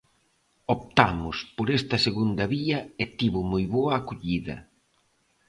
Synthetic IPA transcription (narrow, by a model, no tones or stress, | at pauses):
opt̪amʊspoɾest̪ɐseɣund̪ɐβiɐet̪iβʊmojβoɐːkoʎiðɐ̰